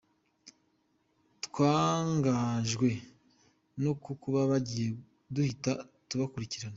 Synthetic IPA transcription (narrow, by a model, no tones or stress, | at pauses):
twaːŋɡaʒɡwe̞ | nokukuβaβaɟije̞ | duhitatuβakuɾiciɾana